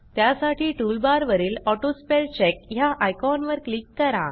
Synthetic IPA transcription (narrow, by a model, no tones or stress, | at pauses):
t̪jasaʈʰiːʈulbaɾʋəɾiːlɔʈospelt͡ɕekjaʔajkɔnʋəɾklikːəɾã̰